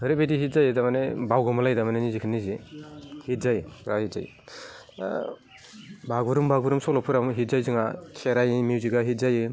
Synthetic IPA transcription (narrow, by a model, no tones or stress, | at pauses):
hɯɾibediɦit̚zajɯdamanebawɡɔmalajdamanenizikʰɯnːizihit̚zajɾahit̚z̥a̰j̰ | baɡuɾɯmbaɡuɾɯmsɔlɔpʰɯɾamɦit̚zajzɯŋakʰeɾajmiwziɡaɦit̚zajɯ